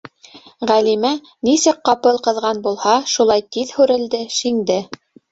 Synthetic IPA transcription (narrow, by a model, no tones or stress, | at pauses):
ʁælimæ | nisɘk̚qɑpɤlˠqɤ̆ðʁɑnbulˠhɑʃulˠɑjt̪iðhʉɾɘ̆ld̪ɘʃiŋd̪ɘ